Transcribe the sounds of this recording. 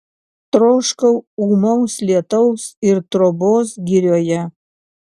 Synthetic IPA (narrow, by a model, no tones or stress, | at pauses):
t̪ɾoːʃkɐʊuːmɐʊslʲiɛt̪ɐʊsɪɾt̪ɾoboːsɡʲiɾʲoːjɛ